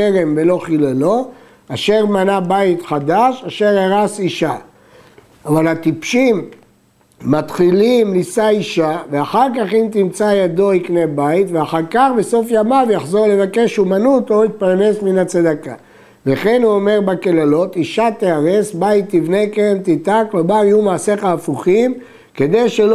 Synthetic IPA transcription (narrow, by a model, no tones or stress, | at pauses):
keʁe̞mve̞lo̞χilalo̞ | aʃe̞ʁmanabait̪χad̪aʃaʃe̞ʁeʁasiʃa | avalhat̪ipʃimː | at̪χilimlisaiʃaveaχaʁkaχimt̪imt͡sajad̪o̞iknebait̪veaχaʁkaχbe̞so̞fjamavjaχzo̞ʁle̞vake̞ʃumanut̪oit̪̚paʁne̞sminat͡sad̪aka̰ | veχe̞nuome̞ʁbakelalo̞t̪iʃat̪eaʁe̞sbait̪ːivne̞kent̪it̪aklomalijumaːseχaːfuχim | ke̞d̪e̞jʃel